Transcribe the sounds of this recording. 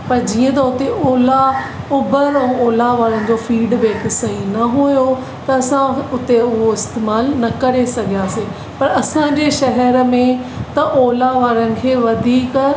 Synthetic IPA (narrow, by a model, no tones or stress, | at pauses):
pɐɾd͡ʑiːə̃t̪ɐʊt̪eʔoːla | ʊbəɾɛ̃oːlaʋaːɾənɪ̆d͡ʑoːfiːɖbeːksɐɦinɐɦojo | t̪ɐɐsãʊt̪eʊɦoɪst̪eːmaːlnɐkɐɾesɐɡʱijaːsẽː | pɐɾɐsãɲd͡ʑeːʃɐɦɛɾmẽt̪ɐʔoːlaʋaːɾənɪ̆kʰeːʋɐd̪ʱiːk